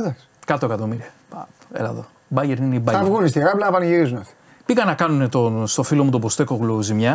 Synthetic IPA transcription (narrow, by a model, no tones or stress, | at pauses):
d̪ɐks | kɐt̪oe̞kɐt̪o̞miɾiɐ | pɐḛlɐðo̰ | bɐʝeɾnineibɐɐvɣunist̪iɣɐːplɐːpɐniʝiɾizunɐt̪ | piɣɐnɐkɐnunet̪ost̪o̞filo̞mut̪obost̪e̞koɣlozimɲɐ